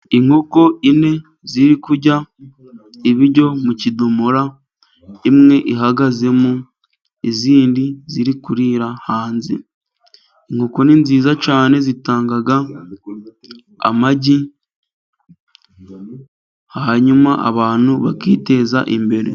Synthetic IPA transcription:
iŋhoko̞ine̞ | ziɾikuɾɟa | iβiɾɟo̞mucidumuɾa | imŋe̞ʔiɦaɡaze̞mu | iziːndiziɾikuɾiːɾahaːnzi | iŋ̥oko̞niːnziːzacaːne̞zitaːŋɡaɡa | a̰maɟi | hahaɲumaa̰βaːn̥uβakiːte̞za̰ʔimbe̞ɾe̞̰

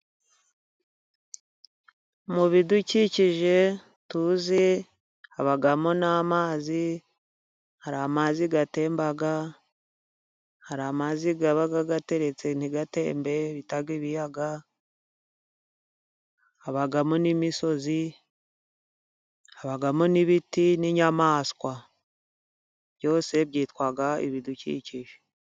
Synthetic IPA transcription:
muβiduciciʒe̞ | tuːzi | haβaɡamonamaːzi | haɾaːmaziɡate̞ːmbaɡa | haɾamaziɡaβaɡaɡate̞ɾe̞t͡se̞n̥iɡate̞ːmbe̞βitaɡiβijaɡa | aβaɡamonimiso̞zi | aβaɡamoniβitiniɲamaːskwa | b̥jo̞ːse̞bɟiːtwaɡaḭβiducḭciʒe̥

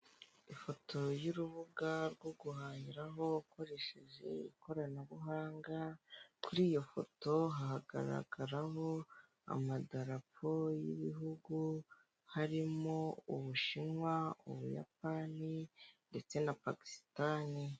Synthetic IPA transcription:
ifo̞tʰo̞juɾuβuɡaɾɡwo̞ɡuɦaːɲiɾaɦo̞uko̞ɾe̞ʃe̞ʒe̞̰iko̞ɾanaβuɦaːŋɡakuɾiːjo̞fo̞̰to̞ɦahaɡa̰ɾa̰ɡaɾaɦo̞ | a̰madaɾapʰo̞jḭβiɦuɡu | haɾimo̞uβuʃinŋwaṵβuja̰p̚aninde̞t͡se̞napaki̥stani

